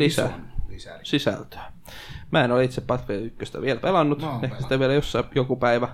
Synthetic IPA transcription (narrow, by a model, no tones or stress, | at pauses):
lisæ̰ | sisæ̰lt̪ø̥ː | mæːenolit̪seppːɑt̪feit̪ykːøst̪æ̰ʋielpelɑnːut̪ehkæsit̪æʋielæjosːɑjokupæiʋæ